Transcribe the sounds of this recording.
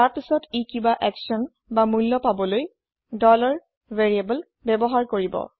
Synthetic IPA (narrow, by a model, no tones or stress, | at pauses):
taɹpisɔtikibaʔɛksɔn | bamulːɔpabɔloj | dɔlɔɹ | veɹiabɔl | bɛbɔɦaɹkoɹibɔ̰